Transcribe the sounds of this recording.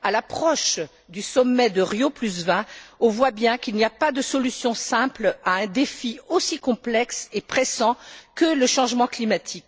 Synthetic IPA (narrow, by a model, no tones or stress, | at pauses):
alapχɔʃ | d̪ysɔmːɛd̪əʁjoplys̬vɛ̃ɔ̃vwabjɛ̃kilnijapad̪əsɔlysjɔ̃sɛ̃plaɛ̃d̪efiosikɔ̃plɛksepχesɑ̃kələʃɑ̃ʒmɑ̃klimat̪ʰik